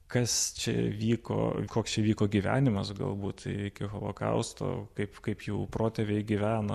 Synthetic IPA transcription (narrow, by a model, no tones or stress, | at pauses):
kɐst͡ʃʲɛ̰ʋʲiːko̰ːkoːkst͡ʃʲɛʋʲiːkoːɡʲiʋʲæ̰ːnʲɪmɐsɡɐ̰lˠbuːt̪ɪkʲɪɣolˠo̰ːkɐ̰ʊst̪o̰ːkɐɪpkɐɪpjuːproːt̪ʲɛːʋʲɛɪɡʲiʋʲæːno̰ː